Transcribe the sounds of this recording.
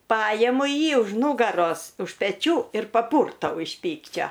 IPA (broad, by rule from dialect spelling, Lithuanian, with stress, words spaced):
ˈpɑːjɛmʊ ˈjiː ʊʃ ˈnuːɡɐroːs ʊʃ pʲɛˈt͡ʃʲuː ɪr pɐˈpʊrtɐʊ ɪʃ ˈpʲiːkt͡ʃʲoː